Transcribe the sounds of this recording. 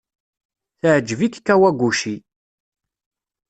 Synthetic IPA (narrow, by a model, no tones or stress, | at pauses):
θʕd͡ʒːəvikkːæwæɡʷːuʃi